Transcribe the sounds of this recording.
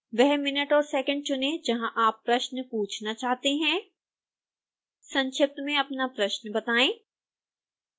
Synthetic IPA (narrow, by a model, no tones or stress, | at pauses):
ʋɛɦmɪnəʈɔːɾsɛːkə̃ɳɖ̚t͡ʃʊnẽd͡ʒɐɦãʔaːpːɾɐʃnəpuːt͡ʃʰnat͡ʃaːɦt̪eɦɛ̃ː | sɐ̃nʃɪp̚t̪mẽɐpnapɾɐʃnəbɐt̪aːẽː